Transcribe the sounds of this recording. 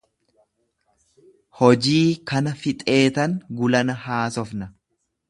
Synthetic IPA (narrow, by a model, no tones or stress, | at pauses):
hɔd͡ʒiːkɐnɐfɪt̪ʼe̞ːt̪ɐŋɡʊlɐnɐhaːsɔfnɐ